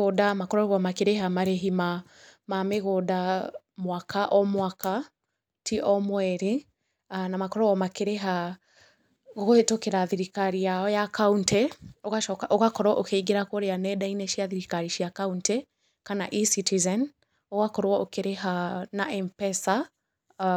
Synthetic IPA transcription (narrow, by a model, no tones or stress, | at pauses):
odamakɔɾɔβɔmakeɾeɦamaɾeɦima | mameɣoːdamwakʰaʔɔmwaka | tʰiʔɔmwɛɾi | anamakɔɾɔɣɔmakeɾeɦa | ɣoɣoetokeɾaðiɾikaɾijaɔjakauntɛoɣaʃɔkaʔoɣakɔɾwɔʔokeiɡeɾakoɾeanɛdaineʃiaðiɾikaɾiʃiakauntɛ | kana̰ʔisitizɛn | oɣakɔɾwɔokeɾeɦanaʔɛmpɛsa